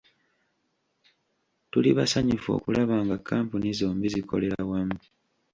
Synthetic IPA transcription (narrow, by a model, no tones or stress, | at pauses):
tuliβasaɲufo̞̰ːkulaβaːŋɡakʰːaːmpunizoːmbizikʰo̞̰le̞ɾawami